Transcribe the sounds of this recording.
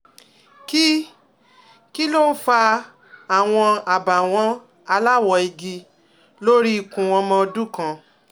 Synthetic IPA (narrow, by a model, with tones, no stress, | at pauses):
ki˦ | ki˦lo˦n̩˦fa˧ | a˨w̃ɔ̃˧a˨ba˨w̃ɔ̃˨˦ | a˧la˦˨wɔ˧˨i˧ɡi˧ | lo˦ɾi˦i˨kũ˨wɔ̃˧mɔ̃˧o˧du˦kã˧